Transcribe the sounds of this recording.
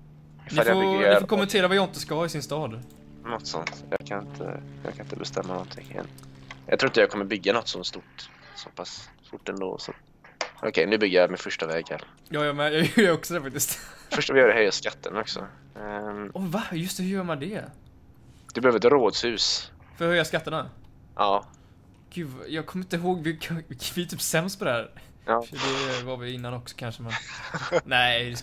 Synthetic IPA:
ɪfaljaɔɪfɔɾkʰɔmɛnt̪ʰeːɾavajɑɪnt̪əskahɑːɪsɪnst̪ɑːd̪ | nɔt̪ːsɔ̰nt̪jɑ̰ːɡkʰanɪnt̪ʰə̰jɑ̰ːkʰanɪnt̪əbɛst̪ɛmːanɔnt̪ʰɪŋːmɛ̰njɑ̰ɡt̪ʰɾuːɾɪnt̪əjɑːɡkʰɔmːəɾbʏɡːanɔt̪ːsɔnt̪st̪uʈsɔpʰasːt̪ʊʈːɛnd̪o̰ːsɔ̰t̪ | ʔɔ̰kʰɛjnʉbʏɡːəjamɪnfœʂʈavɛːɡaɾ | jɑːjɑmɛjɑːjəɾɔksɔd̪ɛfak̚t̪ɪst̪fœʂʈavɪjœːɾɛhœjaskat̪ʰːənɔksɔ̰ | ɔvajɵst̪ɛhʉɾjœːɾmand̪ɛ | d̪̥ɵbɛøːvɾt̪ːɾoːd̪shʉ̟ːs | fœɾhœjːaskat̪ːəɳa | ʔɑː | ɡ̥ʉːd̪vajɑːɡ̚kʰɔmːɪnt̪əɦoːɡvɪkʰvɪt̪ʰyːpsɛmst̪pʰɔd̪ɛhæːɾ | ɑːfd̪ɛvaɾvɪɪnːanɔksɔ̥kʰanʂəmɛnnæɪd̪ɛ

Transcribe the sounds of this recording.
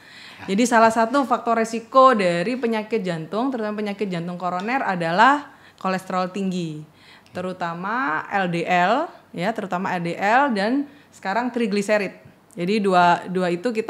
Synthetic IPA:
d͡ʒadisalahsat̪ufak̚t̪orɾesikodaɾipəɲakɪt̪̚d͡ʒant̪ʊŋt̪əɾut̪amapəɲakɪt̪̚d͡ʒant̪ʊŋkoɾonɛradalah | kolɛst̪ɾɔlt̪iŋɡi | t̪əɾut̪amaɛldeʔɛljat̪əɾut̪amaɛldeʔɛldansə̥kaɾaŋt̪ɾiɡliseɾɪt̪̚ | d͡ʒadiduaduait̪uk̬it̪

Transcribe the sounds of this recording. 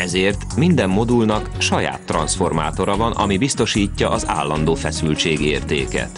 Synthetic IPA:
ɛzeːrt̪mind̪ɛmːo̞d̪ulnɒkʃɒja̰ːt̪ːrɒnsfo̞rma̰ːt̪o̞ɾɒvɒnɒ̰mibist̪o̞ʃiːcːɒʔɒza̰ːlːɒnd̪oːfɛsylt͡ʃeːɡieːrt̪ḛːkɛ̰t̪

